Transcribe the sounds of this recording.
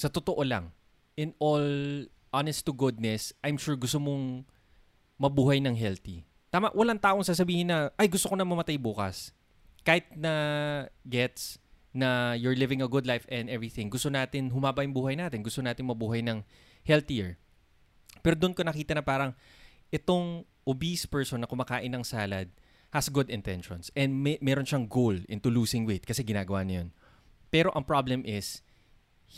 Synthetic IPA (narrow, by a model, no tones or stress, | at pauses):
sɐt̪ot̪oʔolɐ̰ŋ | ʔɪnol | ʔanɛst̪uɡʊd̪̚nɛsʔɐjmʃuɹɡʊst̪omoŋ | mɐbuːhɐjnɐŋɦɛlt̪ḭ | t̪aːmaʔwʔɐlaŋt̪aːʔoŋsaːs̬ɐbiːhɪnːɐʔɐjɡʊst̪okonɐmɐmɐt̪ajbuːkɐ̰s | kaːhɪt̪̚nɐ | ɡɛt̪snɐjʊɹlɪvɪ̃ŋɐɡʊd̪lajfɛ̃nd̪ɛvɹiθɪ̃ŋɡʊst̪onaːt̪ɪnɦʊmaːbɐjʊŋbuːhɐjnaːt̪ɪnɡʊst̪onaːt̪ɪŋmɐbuːɦɐjnɐŋ | hɛlt̪ijɛɹ | pɛːɾod̪ʊnkonɐkiːt̪ɐnɐpaːɾɐŋ | ʔɛt̪o̞ŋ | ʔobispɛɹsonːɐkʊmakaːʔɪnɐŋsaːlɐd̪̚ | hɐsɡʊd̪ɪnt̪ɛnʃɔnsʔɛ̃nd̪mmɛɾonʃɐŋɡowlʔɪ̰nt̪uluːsɪŋwɪt̪̚kɐsɛɡɪnaːɡɐwaːnɐjon | pɛɾo̞ʔɐŋpɹablɛmʔɪs